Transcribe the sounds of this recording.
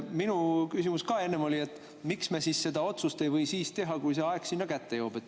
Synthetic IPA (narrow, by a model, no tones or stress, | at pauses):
minukysimuskɑːe̞nːemo̞lʲie̞t̪ːˑ | miksme̞siːsse̞d̪ɑo̞t̪sust̪e̞jvɤjsiːst̪e̞ɦɑkujse̞ɑe̞ɡ̥sinːɑkæt̪ːe̞jo̞ːb̥e̞t̪ːˑ